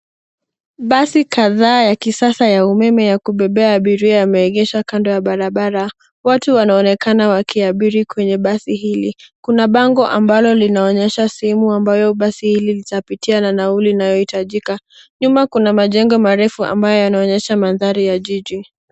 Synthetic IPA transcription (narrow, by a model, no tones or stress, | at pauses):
ɓasikaðaːjakisasajaumɛmɛjakuɓɛɓɛaːɓiɾiaamɛɛɠɛʃakandɔjaɓaɾaɓaɾa | watuwanaɔnɛkanawakʰiaɓiɾikwɛɲɛɓasihilikunaɓaŋɡɔʔambalɔlinaɔɲɛʃasɛɛmuambajɔɓasihililitapitiananaulinajɔhitaʄika | ɲumakunamaʄɛŋɡɔmaɾɛfua̰mbajɔjanaɔɲɛʃamanðaɾijaʄiʄi